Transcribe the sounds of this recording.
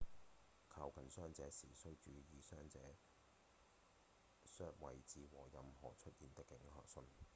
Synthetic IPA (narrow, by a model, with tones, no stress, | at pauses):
kʰaː˧wkʰɐ˨˩nsœː˥ŋt͡sɛː˨˥siː˨˩sɵ˥wt͡ʃyː˨˥jiː˨˧sœː˥ŋt͡sɛː˨˥ | sœː˥k̚wɐ˨jt͡siː˨wɔː˨˩jɐ˨mhɔː˨˩t͡ʃʰɵ˥t̚jiː˨nt̪ɪ˥kːɪ˨˥ŋhœ̰ː˨k̚sɵ˧˥n